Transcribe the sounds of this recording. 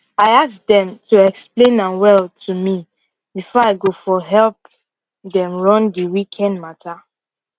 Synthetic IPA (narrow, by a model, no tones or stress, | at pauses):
aɪasdɛ̃mtuɛksplẽnãnwɛltʰumi | bifɔaɪɡofɔɦɛlp̚ | dɛ̃mɹɔ̃ndiwikʰɛ̃ndmatʰa